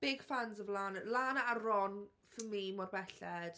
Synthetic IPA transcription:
b̥ɪɡ̥fanzəvlaːnalaːnaːrɔn | fəmimɔrbɛɬɛd̥

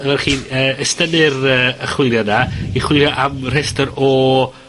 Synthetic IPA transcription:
əvɛrχiːəːəstənɪɾəːəχwɪljadaiχwɪlˠjaʔamr̥ɛstɔɾɔ

